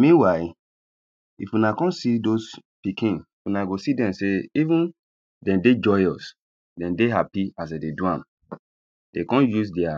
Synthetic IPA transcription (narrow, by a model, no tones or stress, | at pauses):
mĩnwaɪ | ifunakɔ̃nsidospikʰĩn | unaɡosidɛ̃mseivũn | dɛ̃nded͡ʒɔjɔs | dɛ̃ndeɦapias̬ededuãm | d̥ekɔ̃njus̬dɛa